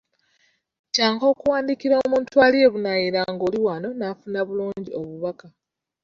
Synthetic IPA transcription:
caːŋko̞ːkuwaːndikiɾo̞muːntualie̞βunajiɾaŋɡoliwano̞nafunaβuluːɲɟio̞βuβaka

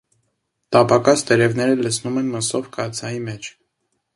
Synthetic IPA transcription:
t̪ɑpɑkɑst̪əɾɛvnɛɾələsʰnumɛnməsɔvkɑt͡sʰɑjimɛt͡ʃʰ

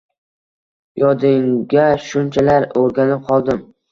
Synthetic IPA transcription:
jɒd̪ɪŋɡʲaʃʊnt͡ʃʰalaɾoɾɡʲanɪp̚qʰɒlˠd̪ɪm

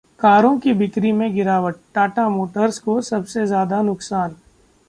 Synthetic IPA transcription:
kaːɾõkibʱɪt̪ɾimẽɡɪɾaːʋəʈ̚ʈaːʈamoːʈəɾskosɐbsezjaːd̪anʊksaːn

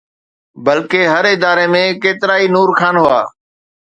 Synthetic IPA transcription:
bəlkeːɦəɾɪd̪aːɾemẽːkeːt̪ɪɾaːinuːɾkʰaːnɦʊa̰ː

